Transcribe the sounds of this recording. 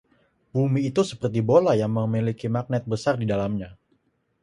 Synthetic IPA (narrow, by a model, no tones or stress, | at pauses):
bumiːt̪usəpərt̪ibolajaŋməmilikimak̚nɛt̪̚bəsardidalamɲa